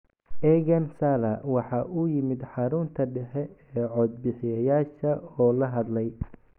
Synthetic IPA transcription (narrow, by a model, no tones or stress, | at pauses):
ʔɛɣɐnsalɐwɑħɑːʔʊjɪmɪd̪ħɑɾʊnt̪ʰɐɖɛħɛɛːʕɔd̪̚bɪħɪjɐjaːʃɐɔːlɐɦɐd̪lɛj